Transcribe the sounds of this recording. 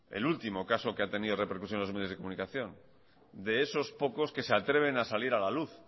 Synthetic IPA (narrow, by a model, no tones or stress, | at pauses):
ḛlult̪imo̞kasokeat̪e̞niðorepeɾkusjonalomejozðekomũnikaθjõ̞n | d̪eeso̞spo̞ko̞ske̞seat̪ɾe̞β̞e̞nasaliɾalaluθ